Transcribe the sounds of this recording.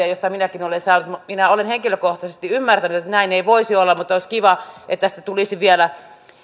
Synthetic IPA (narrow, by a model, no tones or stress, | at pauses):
æjost̪ɑminækinolensɑˑːnut̪muminæolenheŋkiløkoht̪ɑsest̪iymːært̪ænyt̪et̪ːnæineiʋoisiolːɑmut̪ːˑoˑisʲkiʋɑʔet̪ːæsi̥t̪ːæt̪ulisiʋiælæ